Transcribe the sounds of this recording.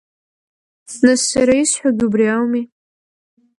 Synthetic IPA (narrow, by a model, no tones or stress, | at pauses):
nasːaɾaisħʷᶣaɡʲubriawmi